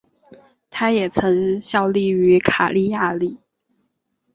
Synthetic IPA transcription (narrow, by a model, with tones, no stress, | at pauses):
t̪ʰa˥jɛ˨˩t͡sʰɤ˧˥ŋɕjɑ˥˧ʊli˥˩y˧˥kʰa˨˩li˥˧ja˥˧li˥˩